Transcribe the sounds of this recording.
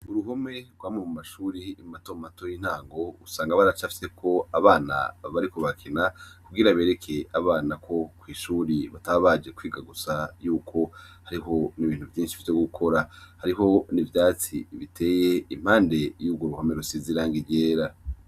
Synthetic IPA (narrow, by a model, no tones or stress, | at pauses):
uɾuɦome̞ɾɡwaːmemumaʃuːɾiːmmatommato̞jin̥haːŋɡo̞usaːŋɡaβaɾat͡ʃafi̥se̞kʰo̞aβaːna̰βaɾiko̞βakʰinakuɡiɾaβe̞ːɾe̞kʰe̞aβaːnakʰo̞kwiːʃuːɾiβataːβaːd͡ʒe̞kwiːɡaɡusajuːkʰo̞haɾiɦo̞niβiːn̥uvjiːnʃi̥fiteɡukʰo̞ɾahaɾiɦo̞nivjaːt͡siβitʰe̞ːjeim̥haːnde̞juːbɡwoɾuhomeɾusiziɾaːŋɡiɟeːɾa